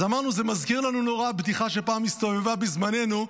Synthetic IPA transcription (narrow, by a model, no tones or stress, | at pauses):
zamaʁnuzemazkiʁlanuno̞ʁabd̪iχaʃe̞paːmist̪o̞vevabizmane̞nu